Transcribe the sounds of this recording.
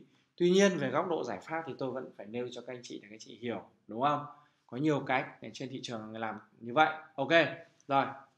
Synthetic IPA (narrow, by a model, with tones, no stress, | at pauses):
t̪wi˧ɲi˧ənve˨˩ɣa˦˥wk͡p̚ɗo̰˧˨zaː˧˩jfaː˦˥p̚t̪ʰi˨˩t̪o˧jvə̰˧˥nfaː˧˩jne˧wt͡ɕɔ˧ka˦˥a˧jŋt͡ɕḭ˧˨aː˧˩kaː˨˦jt͡ɕḭ˧˨hi˧˩əw | ɗʊ˨˦ŋ͡mʔə˧wŋ͡m | kɔ˨˦ɲi˨˩əwkaː˦˥jk̚t͡ɕe˧nt̪ʰḭ˧˨t͡ɕɨ˨˩əŋa˨˩ŋ˨˩laː˨˩mɲɨ˧və̰˧˨jʔo˧wke˧ | zo˨˩j